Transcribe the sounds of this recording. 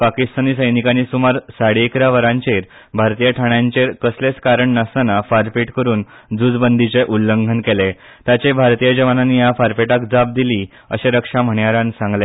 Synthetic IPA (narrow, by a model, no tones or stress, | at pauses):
pakist̪aniːsəjnikaniːsumaɾsaɽeekɾaʋəɾãɲt͡ɕeɾ | bʱaɾt̪ijəʈʰaɳjãɲt͡ɕeɾkəslet͡skaɾəɳːəsnafaɾpiʈkəɾuːnd͡zud͡zbənd̪ʱit͡ɕeʔulːəŋɡʱənkele | t̪jat͡ɕebʱaɾt̪ijəd͡ʑəʋananːiːjafaɾpeʈakd͡zap̚d̪ili | ə̰ɕeɾəkʂam̤əɳjaɾãnsãŋɡle